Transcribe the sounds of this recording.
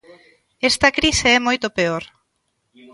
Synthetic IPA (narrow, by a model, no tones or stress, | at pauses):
ɛst̪ɐkɾiseɛmojt̪opeoɾ